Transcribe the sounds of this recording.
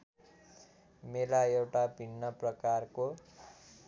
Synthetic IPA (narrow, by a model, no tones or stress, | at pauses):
melaewʈabʱinːʌprʌkarko